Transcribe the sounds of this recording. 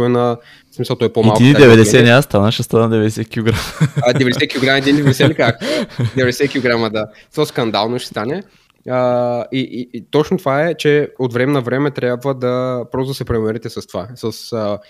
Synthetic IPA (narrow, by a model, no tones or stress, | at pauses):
ɛnɐ | smisɐlˠt̪ɔɛpomɛalkdkinid̪ɛvɛd̪ɛɛniast̪anəxʃɛst̪anəd̪ɛvɛd̪ɛsɛkʲilˠoɡɾamd̪ɛvɛd̪ɛsɛkʲiloɡɾaməɛd̪inid̪ɛvɛd̪ɛsɛnʲikaxd̪ɛvɛd̪ɛsɛkʲilˠoɡɾaməd̪a | t̪oskɐnd̪alˠnoʃɛ̥st̪anɛ | əit̪ot͡ʃnot̪ovaɛt͡ʃɛot̪vɾɛmɛnɐvɾɛmɛt̪ɾʲabvəd̪ɐpɾɔst̪od̪ɐsɛpɾɛnmɛɾɛt̪ɛsɐst̪ovasəsə